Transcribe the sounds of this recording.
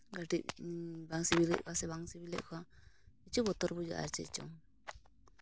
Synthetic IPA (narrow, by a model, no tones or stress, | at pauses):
ɡaʈiʔ̚baŋsibilɛ̰ʔ̚kasɛbaŋsibilɛ̰ʔ̚kʰɔait͡ʃubɔt̪ɔɾbud͡ʒa̰ʔa̰ɾt͡ʃɛ̰t͡ʃɔ̰ŋ